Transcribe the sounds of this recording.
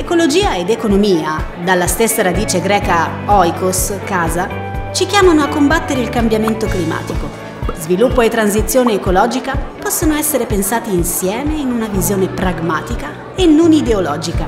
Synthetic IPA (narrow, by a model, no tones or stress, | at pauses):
ekolod͡ʒiːaed̪ekonomiːa | d̪alːast̪esːaɾad̪iːt͡ʃeɡɾɛːkaɔjkoskaːza | t͡ʃikjaːmanoakːombat̪ːeɾeilkambjament̪oklima̰ːt̪iko | zvilupːoet̪ːɾans̬it̪sːjoːneːkolɔːd͡ʒikapɔsːonoɛsːeɾepensaːt̪iːnsjɛːmeinunavizjoːnepɾaɡmaːt̪ika | enːonid̪eolɔːd͡ʒika